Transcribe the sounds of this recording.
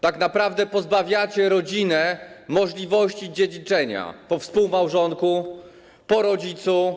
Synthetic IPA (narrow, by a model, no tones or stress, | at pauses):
t̪aknapɾavd̪ɛpɔzbavʲjat͡ɕɛɾɔd͡ʑinɛmɔʐlʲivɔɕt͡ɕid͡ʑed͡ʑit͡ʂɛɲa̰pɔfspuwmawʐɔŋku | pɔɾɔd͡ʑit̪su